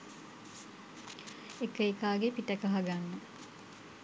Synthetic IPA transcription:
ekəikaːɡepiʈɐkəɦɐɡanːə

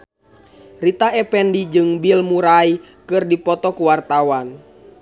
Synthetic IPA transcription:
rit̪aɛpɛndid͡ʒɨŋbilmuɾai | kɨrdipɔt̪ɔkuwart̪awan

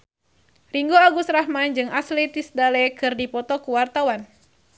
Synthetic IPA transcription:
riŋɡoaɡust̪raɦmand͡ʒɨŋaslɛt̪isdalɛkɨrdipɔt̪ɔkuwart̪awan

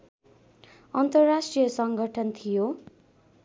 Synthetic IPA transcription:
ʌnt̪ʌrːasʈrijʌsʌŋɡʱʌʈʰʌnt̪ʰijo

